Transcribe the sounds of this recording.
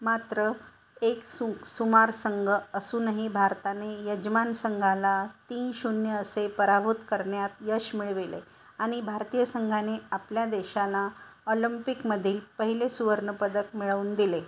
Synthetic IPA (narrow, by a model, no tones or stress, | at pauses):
mat̪ɾə | eksusumaɾsəŋɡʱəəsuːnaɦibʱaɾt̪anejəd͡ʑmansəŋɡʱalat̪iːnɕunjəəsepəɾabʱut̪kəɾɳjat̪jəɕmiɭʋilḛ | aɽ̃ibʱaɾt̪ijəsəŋɡʱaneapljad̪eɕalaolimpikməd̪ʱiːlpəɦilesuʋəɾɳəpəd̪əkmiɭəʋuːnd̪ile